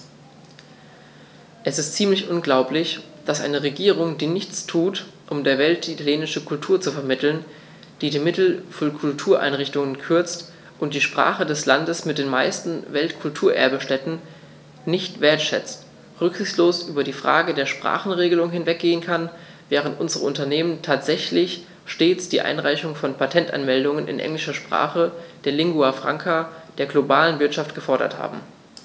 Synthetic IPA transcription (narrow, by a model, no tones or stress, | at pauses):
ʔɛsɪstt͡siːmlɪçʔʊnɡlaʊplɪç | d̥asʔa̰ɪnəʁeɡiːʁ̞ʊŋdiːnɪçt͡stʰuːtʔʊmdeːɐvɛlt̚d̥iːtʰaljeːnɪʃəkʰʊltʰuːɐt͡sufɛɐmɪtl̩n | d̥iːdiːmɪtl̩fɔnkʰʊltʰuːɐʔa̰ɪnʁɪçtʊŋənkʰʏɐt͡st | ʔʊnt̚d̥iːʃpʁ̥a̰ːχədɛslandəsmɪt̚d̥eːnma̰ɪstn̩vɛltkʰʊltʰuːɐʔɛ̰ɐbəʃtɛtn̩ | nɪçtv̥eːɐtʃɛ̰t͡st | ʁʏkz̥ɪçt͡ssloːsʔyːbɐdiːfʁ̥a̰ːɡədeːɐʃpʁ̥a̰ːχn̩ʁeːɡəlʊŋɦɪnvɛk̚ɡ̥eːənkʰan | vɛːʁ̞əntʔʊnzəʁəʊntɐneːməntʰaːtz̥ɛçlɪç | ʃteːt͡sd̥iːʔa̰ɪnʁaɪçʊŋfɔnpʰatʰɛntʔa̰nmɛldʊŋənɪ̰nʔɛ̰ŋlɪʃɐʃpʁ̥a̰ːχəd̥eːɐlɪŋɡuafʁ̥a̰ŋkʰad̥eːɐɡlobaːlənvɪɐtʃaft̚ɡ̥əfɔɐɾɐ̰tha̰ːbm̩